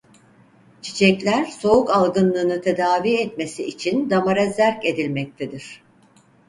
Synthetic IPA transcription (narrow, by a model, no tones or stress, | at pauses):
t͡ʃʰi̥t͡ʃʰɛclʲæɾso̞ukalˠɡɯnlˠɯːnɯt̪ʰe̞d̪aːviːɛt̪me̞siːt͡ʃʰind̪amaɾazæɾce̞d̪ilʲmɛc̚t̪ʰed̪iɾ̥